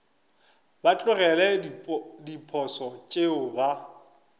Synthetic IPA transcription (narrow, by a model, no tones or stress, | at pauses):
bat͡ɬʼʊrɛlɛdipʰɔsɔt͡ʃʼeʊba